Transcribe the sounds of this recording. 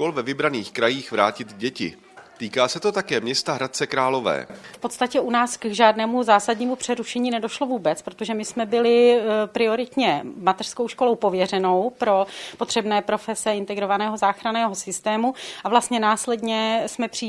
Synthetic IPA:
kolvɛvɪbɾaniːxkɾajiːxvɾaːcɪt̪ɟɛcɪ̰ | t̪iːkaːsɛt̪o̞t̪akɛːmɲɛst̪aɦɾat̪̚t͡sɛkɾaːlo̞vɛ̰ːfpo̞t̪st̪acɛʔunaːskʒaːdnɛːmuzaːsadɲiːmupr̝̥ɛɾuʃɛɲiːnɛdo̞ʃlo̞vuːbɛt͡spɾot̪oʒɛmɪsmɛbɪlɪpɾɪo̞ɾɪt̪ɲɛmat̪ɛr̥sko̞wʃkolowpo̞vjɛrɛno̞wpɾo̞po̞t̪r̥ɛbnɛːpɾo̞fɛsɛɪnt̪ɛɡɾo̞vanɛːɦo̞zaːxɾanɛːɦo̞sɪst̪ɛːmuʔavlast̪ɲɛnaːslɛdɲɛsmɛpr̥iː

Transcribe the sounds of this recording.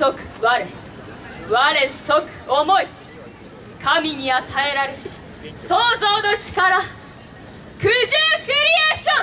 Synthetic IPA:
sokɯ̥βaɾe | βaɾesokɯ̟̥omo̞i | kʰamʲiɲ̟iat̪ʰae̞ɾaɾeɕi̥ | soːzo̞ːno̞t͡ɕi̥kaɾa | kɯʑɨkɯɾʲieːɕõ

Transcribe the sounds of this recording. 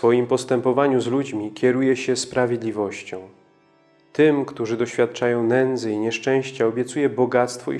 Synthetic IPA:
fɔjimpɔst̪ɛmpɔvaɲuzlud͡ʑmʲikʲɛɾujɛɕɛspɾavʲjed̪lʲivɔɕt͡ɕɔ̃w̃ | t̪ɘmkt̪uʐɘd̪ɔɕfʲjat̪̚t͡ʂajɔ̃w̃nɛnd̪zɘiɲɛʂt͡ʂɛ̃w̃ɕt͡ɕaɔbʲjɛt̪sujɛbɔɡat̪st̪fɔ̰ḭ

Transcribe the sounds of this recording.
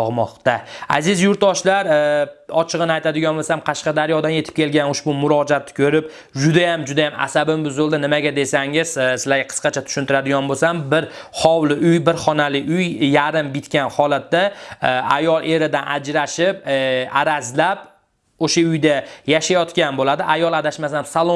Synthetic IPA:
ɒʁmɒqt̪aa̰zɪzjʊɾt̪̚d̪ɒʃlaɾɒt͡ʃʰɨʁɨnɪajt̪ʰad̪ɪɡʲɒnbosamqʰɑʃqɑd̪aɾjɒd̪anje̞t̪ʰɪ̥p̚kʲʰe̞lɡʲanoʃbʊmʊɾɒd͡ʒat̪ʰːɪ̥kʲʰɵɾɪp̚ | d͡ʒʊd̪ajamd͡ʒʊd̪ajama̰sabɪmbʊzolˠd̪anɪmaɡʲad̪e̞saŋɪz̥sɪlaɡʲaqʰə̥sqɑt͡ʃʰat̪ʰʊ̥ʃʊnt̪ʰɪɾad̪ɪɡʲɒnbosambɪɾχɒwlɪʔʊjbɪɾχɒnalɪʔʊjjaɾɪmbɪt̪kʲanhɒlat̪ːaajɒlˠʔe̞ɾɪd̪anʔad͡ʒɾaʃɪpaɾazlap̚ | oʃaʊjd̪ajaʃajɒt̪kʲanbolad̪ɪʔajɒlˠad̪aʃmasansalˠo

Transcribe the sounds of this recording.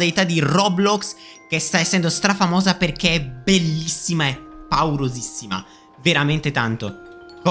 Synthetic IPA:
d̪ajt̪ad̪irɔblɔks | k̟est̪aɛsːɛnd̪ost̪ɾafamɔːzaperk̟eɛbelːisːimaepːawɾozisːima̰ | veɾament̪et̪ant̪o

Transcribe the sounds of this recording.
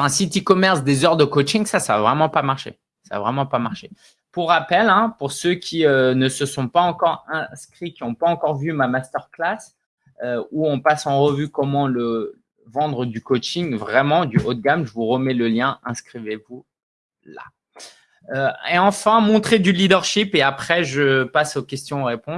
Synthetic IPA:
ɛ̃sit̪ikɔmɛʁsd̪ezœʁd̪əkot͡ʃiŋsasaːvʁɛmɑ̃pamaʁʃḛ | sa̰ːvʁɛmɑ̃pamaʁʃe | puʁːapɛlɛ̃puʁsøkʲʰiønəsəsɔ̃paɑ̃kɔʁɛ̃skχikʲiɔ̃paɑ̃kɔʁvymamast̪œʁklas | øuɔ̃pasɑ̃ʁəvykɔmɑ̃lə | vɑ̃d̪ʁəd̪ykot͡ʃiŋvʁɛmɑ̃d̪yʔot̪̚ɡamʒəvuʁəmɛləljɛ̃ʔɛ̃skχivevu | la̰ | øeɑ̃fɛ̃mɔ̃t̪χed̪ylid̪œʁʃipeapχɛʒəpasokʲɛst̪jɔ̃oʁepɔ̃

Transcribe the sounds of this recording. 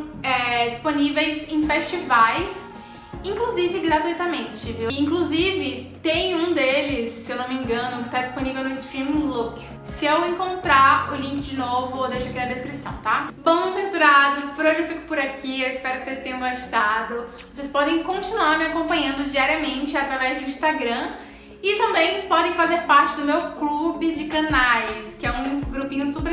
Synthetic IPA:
ɛd͡ʒisponivejzẽj̃fest͡ʃivajs | ĩŋkluzivɪɡɾat̪uit̪ɐmẽnt͡ʃɪviĩŋkluzivɪt̪ẽj̃ũd̪elɪsːewnomẽŋɡɐ̃nʊkɪ̥t̪ad͡ʒisponivewnʊist̪ɾĩmɡluk | sɪewẽŋkõnt̪ɾaɾʊlĩkɪd͡ʒɪnovʊod̪ejʃʊakĩɐd̪eskɾisɐ̰̃w̃t̪abɐ̃w̃sẽsuɾad̪ʊspʊɾoʒewfikʊ̥pʊɾakʰiewispɛɾʊkɪ̥sest̪ẽjɐ̃ɡaʃt̪ad̪ʊ | vosespɔd̪ẽj̃kõnt͡ʃinuaɾmɪakõmpɐ̃ɲɐ̃nd̪ʊd͡ʒiaɾiɐmẽnt͡ʃɪat̪ɾavɛzd̪ʊĩst̪aɡɾɐ̃ | ɪt̪ɐ̃mbẽj̃pɔd̪ẽj̃fazeɾpaɾt͡ʃɪd̪ʊmewklubɪd͡ʒɪkɐ̃najskɪɛũɡɾupĩɲʊsupɾ

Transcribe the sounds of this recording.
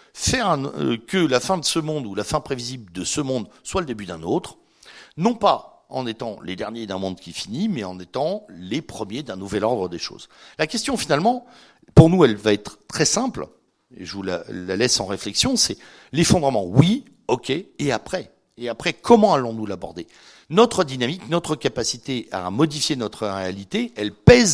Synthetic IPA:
fɛʁɛ̃kəlafɛ̃d̪əsəmɔ̃d̪ulafɛ̃pχevizibld̪əsəmɔ̃d̪swaləd̪ebyd̪ɛ̃not̪χ | nɔ̃pa | ɑ̰̃net̪ɑ̃led̪ɛʁnjed̪ɛ̃mɔ̃d̪kʲifinimɛɑ̃net̪ɑ̃lepχəmjed̪ɛ̃nuvɛlɔʁd̪ʁəd̪eʃo̰ːz̥lakʲɛst̪jɔ̃finalmɑ̃ | puʁnuɛlvaɛt̪χət̪ːχɛsɛ̃pl | ḛʒəvula̰lalɛsɑ̃ʁeflɛksjɔ̃sɛ | lefɔ̃d̪ʁəmɑ̃wi | ɔkʲeːapχɛ | eapχɛkʰɔmɑ̃alɔ̃nulabɔʁd̪e | nɔt̪χəd̪inamiknɔt̪χəkʲapasit̪ea̰mɔd̪ifjenɔt̪χəʁealit̪eɛlpɛz

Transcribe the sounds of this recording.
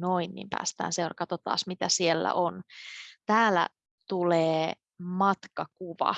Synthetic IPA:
noinːḭːmpæ̰ːst̪æ̰ːnserkɑt̪ot̪ɑ̰ːsmit̪æsielːæ̰ʔont̪æːlæ̰ | t̪uleː | mɑt̪kɑkuʋɑ̰

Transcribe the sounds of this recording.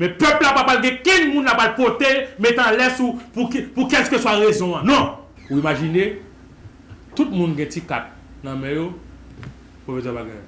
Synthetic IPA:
mɛ̃pœplapapalɡɛ̃kĩnmũnlapalpot̪emet̪ãlɛsupukpukɛlskøswaʁezɔ̃anɔ̃ | uimaʒine | t̪ut̚mũnɡɛ̃tika̰t̪̚ | nɐ̃mɛ̃jo | pofesɛbaɡɛ̰̃j

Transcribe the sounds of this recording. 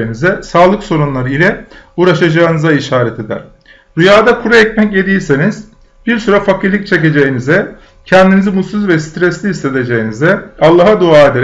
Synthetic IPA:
inizɛsaːlˠɯkso̞ɾunlˠaɾɯilʲɛuːɾaʃad͡ʒaːɯnɯzaiʃaːɾɛt̪ʰe̞d̪æ̰ɾ̥ | ɾujaːd̪akʰuɾaɛcmɛce̞d̪ijiseniz̥ | b̥iɾsuɾafakʰiɾlʲic̚t͡ʃʰe̞c̬e̞d͡ʒejinizɛ | cʰɛnd̪inizimut̪suzvɛsi̥t̪ɾɛslʲihise̞d̪e̞d͡ʒejinizɛalˠːaɦad̪uaːed̪eɾ

